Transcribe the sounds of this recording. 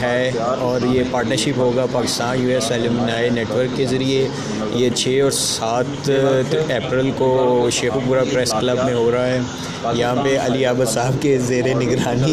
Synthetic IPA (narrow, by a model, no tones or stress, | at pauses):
ɦɛːɔːɾjepaːɾʈnəɾʃɪpɦoːɡapaːkɪ̥st̪aːnjuːɛsɛːlɪmnaːeneːʈʋəɾkːezɐɾie | jet͡ʃʰeːɔːɾsaːt̪ʰ | eːpɾɪlkoʃeːxupuːɾapɾɛsklɐbmẽɦoːɾaɦaɦɛː | jɐɦãːpeɐ̰liaːbəd̪saːɦb̚kezeːɾenɪɡɾaːni